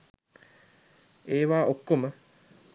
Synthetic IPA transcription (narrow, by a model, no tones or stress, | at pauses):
eːʋaːʔokːomə